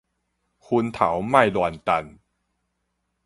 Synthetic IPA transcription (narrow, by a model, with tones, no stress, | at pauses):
kʰu˧nt̪ʰa̰˩˦wma˥˩jlwɔ˧˩nt̪a˧n